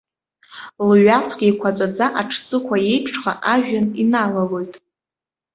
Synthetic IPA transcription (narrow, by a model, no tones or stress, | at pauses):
lɥat͡sʰɡʲʼajkʷʰat͡sʷʼad͡zaʔaʈ͡ʂʰt͡sʼɨkʷʰaje̞jpʰʂχa̰ʔaʒᶣaninalalo̞jtʼ